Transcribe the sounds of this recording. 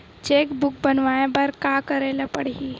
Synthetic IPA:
t͡ʃekbʊk̚bənʋajãbəɾkakəɾeləpəɽɦi

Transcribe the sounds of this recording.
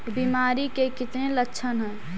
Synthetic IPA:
biːmaːɾikekɪt̪nelətːʃʰənɦɛ̃ː

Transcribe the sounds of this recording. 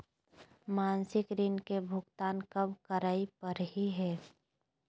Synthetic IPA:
maːnsɪkɾɪnkebʱʊɡt̪aːnkəbkəɾaːipəɾɦiɦɛː

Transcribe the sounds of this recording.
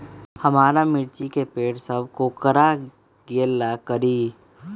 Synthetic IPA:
hɐmaːɾamɪɾt͡ʃikepeːʈsəbʱkokəɾa | ɡeːlːakəɾiː

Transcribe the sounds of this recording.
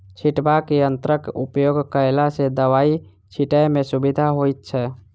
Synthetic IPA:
t͡ʃʰiʈbakeənt̪ɾəkupjoɡkəelased̪əʋai | t͡ʃʰiʈəjmesubid̪ʱaɦojt̪̚t͡ʃʰɛ

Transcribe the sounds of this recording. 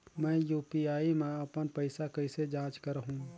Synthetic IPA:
mɛ̃ːjuːpiaːimẽɐpənpəɪsakəɪsed͡ʒãːt͡ʃkəɾəɦũ

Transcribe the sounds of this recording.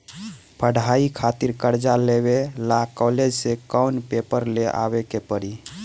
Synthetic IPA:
pʰəɽʱaikʰat̪iɾkəɾd͡ʒaleβelakɔled͡ʒsekɔwnpepəɾleʔa̰βekepəɾi

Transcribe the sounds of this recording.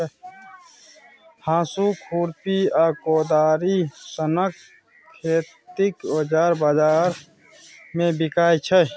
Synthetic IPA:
hãːsukʰuːɾpiaːkoːd̪aːɾisənəkʰː | eːt̪ɪkbəd͡ʒaːɾbaːd͡ʒaːɾ | mẽbɪkaːit͡ʃʰə

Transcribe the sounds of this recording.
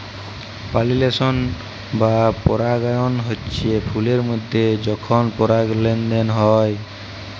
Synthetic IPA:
palilesɔn | bapɔɾaɡajɔnɦotːt͡ʃʰiepʰuleɾmɔjd̪ʱːed͡ʒɔkʰɔnpɔɾaɡlenɖenɦɔj

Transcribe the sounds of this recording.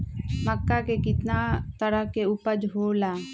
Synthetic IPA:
məkːakekɪt̪nat̪əɾəkeupəd͡ʒɦoːlaː

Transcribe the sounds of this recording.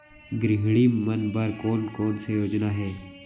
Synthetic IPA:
ɡɾɪɦɽiːmənbəɾkoːnkoːnsejoːd͡ʒnaɦeː

